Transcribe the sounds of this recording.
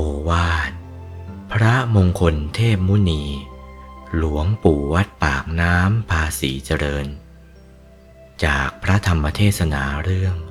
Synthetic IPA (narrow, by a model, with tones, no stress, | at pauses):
ʔoː˧waː˥˩t̪̚ | pʰɾa˦˥moː˧ŋkʰo˧nt̪ʰeː˥˩p̚mu˦˥niː˧ | lu˨˩˦əŋpuː˨˩wa˦˥t̪̚paː˨˩k̚naː˦˥mpʰaː˧siː˩˦t͡ɕa˧ɾɤː˧n | t͡ɕaː˨˩k̚pʰɾa˦˥t̪ʰa˧mːa˧t̪ʰeː˥˩t̪̚sa˧na̰ː˩˦ɾɯ˥˩əŋ